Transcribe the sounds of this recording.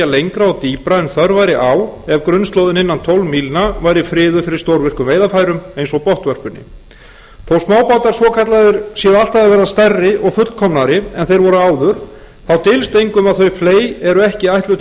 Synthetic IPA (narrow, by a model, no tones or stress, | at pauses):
alejŋkɾaɔt̪iːpɾaɛnθœɾvajɾɪʔawɛvkɾʏnst̪owðɪnɪnːant̪ʰɔwlmiːlnavajɾɪfɾɪːðʏfɪɾɪɾ̥st̪owɾvɪr̥kʏmvejðafajɾʏmejnsɔɣpɔht̪vœr̥pʏnːɪ̰ | θowsmaːwpawt̪aɾ̥svɔkʰat̪laðɪɾ̥sjɛal̥t̪aðavɛːɾðast̪ɛrːɪʔɔɣfʏt̪lkʰɔmnaɾɪɛnθejɾvɔɾʏaːwðʏɾ̥ | θawt̪ɪːlst̪ejŋkʏmaðθœɥfleːjɛɾʏɛhcɪajht̪lʏ